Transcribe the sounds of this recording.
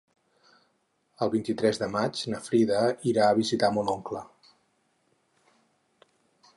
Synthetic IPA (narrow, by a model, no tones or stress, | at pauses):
əlˠβint̪it̪ɾɛzðəmad͡ʒnəfɾiðəiɾaəβizit̪amɔnɔŋklə